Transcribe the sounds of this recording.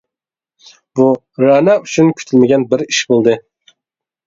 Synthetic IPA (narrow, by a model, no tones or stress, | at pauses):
bu | ɾɑnɑyt͡ʃʰynkʲʰy̥t̪ʰylmɪɡʲɛnbɪɾiʃbolˠd̪ɨ